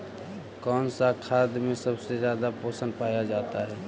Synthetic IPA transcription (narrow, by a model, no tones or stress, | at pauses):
kɔːnsakʰaːd̪mẽsəbsezjaːd̪apoːsə̃nɖpaːjad͡ʒaːt̪aɦɛː